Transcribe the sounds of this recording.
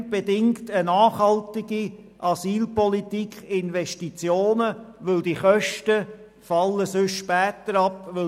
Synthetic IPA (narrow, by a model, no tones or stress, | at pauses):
b̥edɪŋktənɑːχhɑltɪɡ̥i | ʔɑsiːlpɔlitikʰχɪnʋɛʃtit͡sjoːnəʋʏldiχœʃtə | fɑlːəsʏʃʃpɛːt̪əɾɑpʋɪ